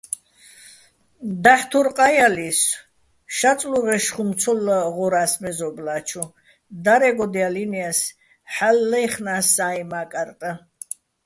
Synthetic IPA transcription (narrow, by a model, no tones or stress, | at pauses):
d̪aħt̪ʰuɾqʼajalis | ʃat͡sʼluʁɛʃχumt͡sʰɔlːəʁɔɾasmɛzɔblat͡ʃʰu | d̪aɾɛɡɔd̪ialinias | ħalːɛjχnasːajmakʼaɾt̪ʼə